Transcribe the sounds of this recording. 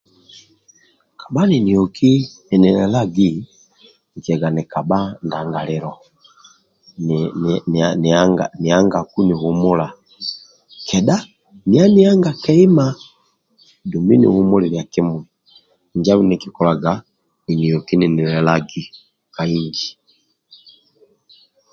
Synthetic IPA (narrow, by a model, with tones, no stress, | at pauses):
ka˨ba˦ni˨ni˨ɔ˨ki˦ni˨ni˨lɛ˨la˦ɡi˦ | ŋ˨ki˨ɛ˨ɡa˨ni˨ka˨ba˦nda˨ŋɡa˨lɛ˨ɾɔ˨ | naŋɡani˨a˦ŋɡa˨ku˦ni˨hu˨mu˦la˨ | kʰɛ˨da˦ | ni˦a˦ni˦a˦ŋɡa˨kɛ˦i˦ma˦ | du˨mbi˦nḭ˨hu˦mu˦li˨lja˨ki˦mwɛ˨ | ɲd͡ʒa˦βu˦niki˨kɔ˨la˨ɡa | i˨ni˨jɔ˨ki˦ni˨ni˨lɛ˨laɡi˨ | ka˨iɲd͡ʒi˨